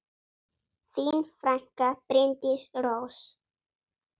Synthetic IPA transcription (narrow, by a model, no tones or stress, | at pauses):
θinfɾaŋkapɾent̪isɾos